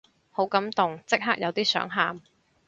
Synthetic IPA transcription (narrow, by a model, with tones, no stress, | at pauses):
ho˨˥wkɐ˨˥mt̪ʊ˨ŋt͡sɪ˥k̚ɦaː˥k̚jɐ˨˧wt̪iː˥sœ̰ː˨˥ŋɦaː˨m